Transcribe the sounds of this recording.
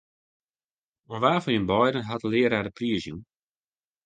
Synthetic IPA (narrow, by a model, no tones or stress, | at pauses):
ɔnʋaːfɔnənbɔjdən̩ɦatəlɪəɾaːdəpriəzjun